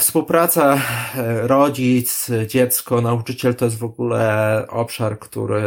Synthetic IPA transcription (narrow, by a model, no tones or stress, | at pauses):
fspuwpɾat̪sa | ɾɔd͡ʑit̪sd͡ʑɛt̪skɔnaut͡ʂɘt͡ɕɛlt̪ɔjɛs̬t̪vɔɡulɛʔɔpʂaɾkt̪ṵɾɘ